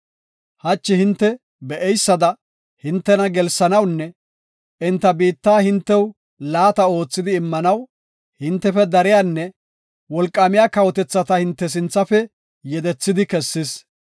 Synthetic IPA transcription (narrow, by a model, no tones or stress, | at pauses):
hɐt͡ʃːɪhɪnt̪ːɛ | bɛʔɛjsːɐd̪ɐ | hɪnt̪ːɛnɐɡɛlsɐnɐwnːɛ | ɪnt̪ːɐbiːt̪ːaːhɪnt̪ːɛw | laːt̪ɐo̞ːt͡sːɪd̪ɪːmːɐnɐw | hɪnt̪ːɛfɛd̪ɐɾɪjaːnːɛ | wɔlkʼːɐmɪjaːkɐwɔt̪ɛt͡sːɐt̪ɐhɪnt̪ːɛs̬ɪnt͡sːɐfɛ | jɛd̪ɛt͡sːɪd̪ɪkɛsːɪs